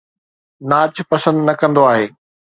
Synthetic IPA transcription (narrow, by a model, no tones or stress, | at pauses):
naːt͡ɕpɐsə̃nd̪nɐkɐ̃nd̪oaːɦeː